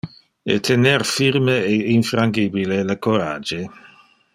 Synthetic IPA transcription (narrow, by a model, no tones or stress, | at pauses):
ḛt̪ʰenerfirmeeinfɾaŋɡibileləkoɾaːd͡ʒe